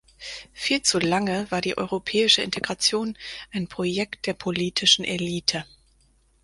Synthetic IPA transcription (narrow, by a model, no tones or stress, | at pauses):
fiːlt͡sulaŋəvaːɐdiːʔɔ̰ʏʁopʰɛːɪʃəɪ̰ntʰeɡʁat͡sjoːnʔaɪnpʁ̥ojɛkt̚d̥eːɐpʰoliːtʰɪʃn̩ʔeliːtʰə